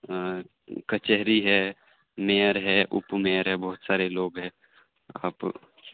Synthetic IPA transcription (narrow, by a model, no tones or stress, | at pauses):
kət͡ʃɛɦɾiɦɛː | meːəɾɦɛʔʊ̰pmeːəɾɦɛbɔːʊt̪saːɾeloːɡɦɛ̃ː | a̰ːp